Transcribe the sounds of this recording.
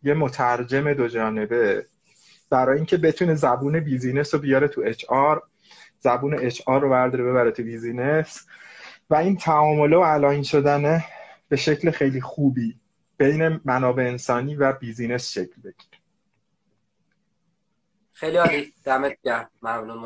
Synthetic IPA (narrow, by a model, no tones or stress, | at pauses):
je̞mo̞t̪ʰæɾd͡ʒeme̞d̪od͡ʒɒːne̞be̞ | b̥æɾɒːjeiːŋcʰe̞be̞t̪ʰune̞zæbuːne̞biːziːne̞sobejɒːɾe̞t̪ʰue̞t͡ʃʰɒːɾ | z̥æbuːne̞et͡ʃʰɒːrːovæɾd̪ɒːɾebe̞βæɾet̪ʰubiːzine̞s | væiːnt̪ʰæɒːmo̞leoælɒːinʃo̞d̪æneb̥e̞ʃe̞clexe̞jliːxuːbiː | b̥e̞jne̞mænɒːbe̞ːnsɒːniːvæbiziːne̞sʃecʰlbe̞ɟ̥i̥ɾe | xejliɒlid̪̥æmet̪ɟæmæmnu